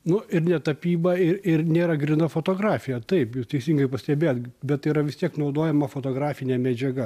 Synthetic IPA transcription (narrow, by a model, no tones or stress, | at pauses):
nʊʔɪɾnʲɛt̪ɐpʲiːbɐɪɾɪrnʲeːɾɐɡɾʲɪnɐfoːt̪oːɡɾɑːfʲɪjɛt̪ɐɪpjuːst̪ʲɛɪsʲiːŋɡɐɪpɐsʲt̪ʲɛbʲeːjot̪bʲɛt̪iːɾɐʋʲɪst̪ʲiɛknɐʊd̪oːjɛmɐfoːt̪oːɡɾɑːfʲɪnʲɛːmʲɛd͡ʒʲɛɡɐ